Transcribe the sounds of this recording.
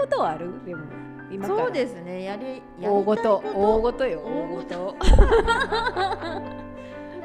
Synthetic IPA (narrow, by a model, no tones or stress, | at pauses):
ot̪oaaɾɯd̪emo | imasoːd̪e̞sɨne̞jaɾʲi | jaoːɡot̪ooːɡo̞t̪ojooːɡot̪o